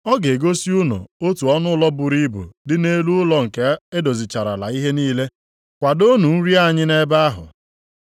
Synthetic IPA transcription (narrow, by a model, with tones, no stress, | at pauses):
ɔ˦ɡe˨ɡo˦si˦ʊ˦no̰˨o˦tu˨ɔ˦nʊ˦lɔ˦bʊ˨ɾi˦bṵ˨dɪ˦ne˦lu˦ʊ˦lɔ˦ŋ̩˨ke˦e˦do˨zi˨t͡ʃa˨ɾa̰˨la̰˨i˦ɦe˦niː˦le˦ | kʷa˨do˦nu˨n̩˦ɾi˦a˦˨ɲɪ˦ne˦ba˦a˦ɦʊ̰˨